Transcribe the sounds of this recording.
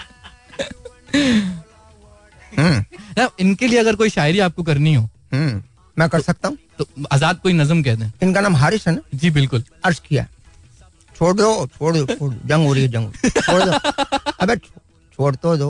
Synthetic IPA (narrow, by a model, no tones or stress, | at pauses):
ɦənɐɪnkelieɐɡəɾkoːiʃaːɪɾiaːp̚kokɐɾniɦoːɦə | mɛ̃ːkɐɾsɐk̚t̪aːɦũːt̪oaːzaːd̪̚koːinɐzəmk̬ɛɦd̪eɛ̃ːɪnkanaːmɦaːɾɪʃɦɛnad͡ʒiːbɪlkʊl | ɐɾʃkija̰ɦɛ | t͡ʃʰoːɽd̪ot͡ʃʰoːɽd̪ooːɽd͡ʒɐ̃ŋɡoːɾiod͡ʒɐ̃ŋɡot͡ʃʰoːɽdoɐbet͡ʃʰo | t͡ʃʰoːɽt̪od̪oː